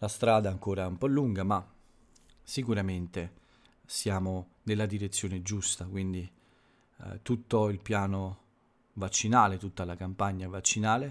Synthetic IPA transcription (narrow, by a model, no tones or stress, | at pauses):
last̪ɾaːd̪aɛaŋkoːɾaumpɔlːuŋɡama | sikuɾament̪e | sjaːmo | nelːad̪iɾet̪sːjoːned͡ʒust̪akwind̪i | t̪ut̪ːoilpjaːno | vat͡ʃːinaːlet̪ut̪ːalakampaɲːavat͡ʃːinaːle